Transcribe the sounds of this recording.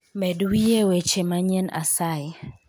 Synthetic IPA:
mɛdwijewet͡ʃemaɲɛna̰saɪ

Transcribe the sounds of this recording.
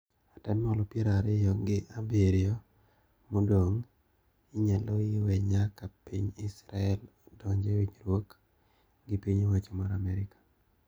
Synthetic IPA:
atɛnːɔlɔpjeɾaɾɪjɔɡɪʔabeɾɪɔ | modoŋ | ɪɲaloiwɛɲakapiɲɪsɾaɛlɔdɔɲd͡ʒewiɲɾwok | ɡɪpiɲewat͡ʃɔmaɾamɛɾɪkḁ

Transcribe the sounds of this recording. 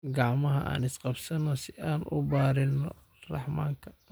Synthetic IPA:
ɡɑʕmɐɦɐʔa̰ːnɪsqɑbsɐnɔsɪaːnʔʊ̰baːɾɪnɔ | rɑħmaːŋkʰɐ̥

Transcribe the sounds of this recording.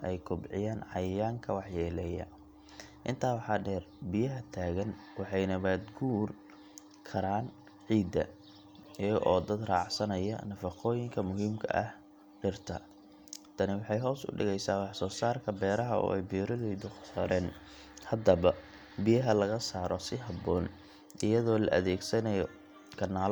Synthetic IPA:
ɛjkʰʊbʕɪjaːnʕɑjaːŋkʰɐwɑħjɛːlɛːjɐ̰ | ʔɪnt̪ʰaːwɑħɑːɖɛːrbɪjɐɦɐt̪ʰaːɣɐn | wɑħɑjnɐβaːd̪ɡuːr | kʰɐɾaːn | ʕiːd̪ɐ̰ | ɛʔɔːd̪ɐd̪raːʕsɐnɐjɐ̰nɐfɑqɔːjɪŋkʰɐmʊɦiːmkʰɐ̰ʔɐ̰h | ħɪrt̪ʰɐ̰ | t̪ʰɐnɪwɑħɑjɦɔːsʊ̰ɖɪɣɛjsaːwɑħsɔːsaːrkʰɐbɛːɾɐɦɐɔ̰ːɛjbiːɾɔðɛjðʊsɐɾɛːn | hɐd̪ɐβɐ | bijɐɦɐlɐɣɐsaːɾɔsɪɦɐbɔːn | ʔɪjɐðɔːlɐ̰ʔɐðɛːɡsɐnɐjɔ | kʰɐnːaːl

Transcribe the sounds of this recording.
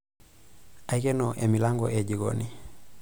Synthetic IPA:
aikenoʔemilaŋɡo̰ʔeɟiɡo̰ni

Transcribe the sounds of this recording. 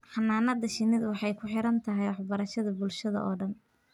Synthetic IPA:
ħɑnːaːnɐd̪ɐʃɪnɪðwɑħɑjkʰʊħɪɾɐnt̪ʰɐɦɛjwɑħbɐɾɐʃɐðɐbʊlʃɐðɐ̰ʔɔːɖɐn

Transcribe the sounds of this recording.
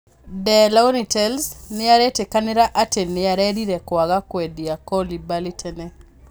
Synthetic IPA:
dɛlaonitɛlsnɪaɾɛtekanɛɾaʔatenːɪaɾɛdiɾɛkwaɡakwɛdiakɔlibalɪtʰɛnɛ

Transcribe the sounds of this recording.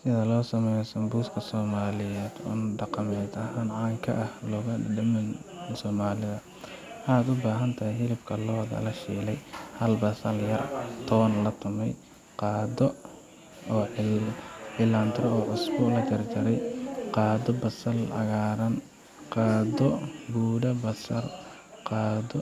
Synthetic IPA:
sɪðɐlɔːsɐmɛjɔsɐmbuːskʰɐsɔːmaːlɪjɛːd̪̥ṵːnɖɑqɑmɛːd̪ɐɦaːnʕɑːŋkʰɐ̰ʔɐhlɔːɣɐɖɐmɛnsɔːmaːlɪðɐ | aːd̪ʊbaːɦɐnt̪ʰɐhɪjɦɪlɪbkʰɐlɔːðɐ̰lɐʃḭːlɛjhɐlbɐsɐljɐrt̪ʰɔwɐnlɐt̪ʰʊmɛj | qɑːd̪ɔ | ɔːʕ | ħilaːnt̪ʰɾɔɔːʕʊsbɔlɐt͡ʃɐrd͡ʒɐɾɛjqɑːd̪ɔbɐsɐlɐ̰ɣaːɾɐn | qɑːd̪ɔbuːɽɐbɐsɐr | qɑːd̪ɔ

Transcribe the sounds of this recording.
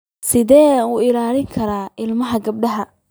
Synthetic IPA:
sɪðɛːuːɪlaːlɪŋkʰɐɾaːʔɪlmɐɦɐɡɐb̚ɖɐɦɐ

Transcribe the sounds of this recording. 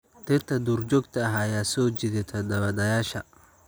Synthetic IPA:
t̪ʰɪrt̪ʰɐd̪uːrt͡ʃɔːɡt̪ʰɐɐɦɐjaːsɔːt͡ʃɪðɪt̪ʰɐd̪ɐβɐd̪ɐjaːʃɐ

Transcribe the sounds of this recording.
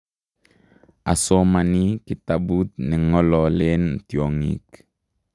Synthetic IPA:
asomanikitabut̚niŋɔlɔlentioŋḭk

